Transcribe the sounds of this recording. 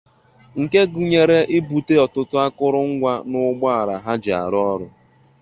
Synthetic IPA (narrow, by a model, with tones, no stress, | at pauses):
ŋ̩˨ke˦ɡu˨ɲe˨ɾe˦ʔɪ˦bu˨te˦ɔ˨tʊ˦tʊ˦a˦kʊ˦ɾʊ˦ŋ̩˦ɡʷa˦nʊ˦ɡ͡bɔ˦a˨ɾa˨ɦa˦d͡ʒa̰˨ɾʊ˦ɔ˦ɾʊ˨